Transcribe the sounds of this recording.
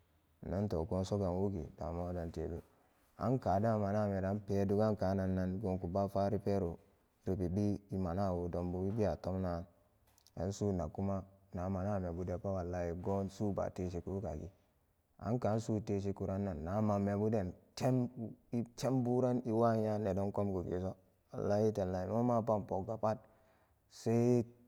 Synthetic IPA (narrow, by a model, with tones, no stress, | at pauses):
na˦n˦to̰˨ɡo˦n˦so˦ɡa˨nwu˦ɡḭ˨da̰˨mo˦da˨ntḛ˨bḭ˦ | a̰˦nka˨da˦˨ma˨na˦˨me˨da˨˦npe˨˦du˦ɡa˦nka˨˦na˨nːa˦nɡo˨ŋku˨ba˦fa˦ɾi˦pe˦ɾu˨ | ɾi˨pi˨bi˦i˦ma˨na˦˨wu˨do˨mbu˨i˦bi˦a˨to˦mna˦n | a̰˨˦n˦su˦˨na˨ku˦ma˦na˨˦ma˨na˦˨me˨bu˨de˨pa˦wa˨la˦ji˨ɡo˦nsu˦ba̰˨te˦ʃi˨˦ku˦ka̰˨ɡi˦ | a̰˨˦nka˨˦n˦su˦te˦ʃ̬i˦ku˨ɾa˦nːa˨nːa˨˦ma˨me˨bu˦de˦˨nt͡ʃe˦m˦i˦t͡ʃe˦mbu˦ɾa˦ni˦wa˦ɲa˦ne˨do˦nko˦mɡu˨ɡḭ˨so˦ | a̰˨la˦ji˦te˨n˨la˨i˨mo˦ma˦pa˦mpo˨ɡa˨pa˦t̚ | se˦